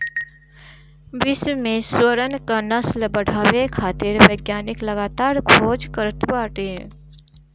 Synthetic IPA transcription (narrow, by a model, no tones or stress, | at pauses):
bɪsmẽswəɾənkanəsləbəɽ̤ʱaːʋekʰaːt̪ɪɾʋəɪɡjaːnɪkləɡaːt̪aːɾkʰoːd͡ʒkəɾət̪baːʈe